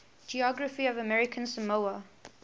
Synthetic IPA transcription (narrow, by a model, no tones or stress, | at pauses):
d͡ʒiɔɡɹəfiɔvəmɛɹɪkʰə̃nsəmoʊə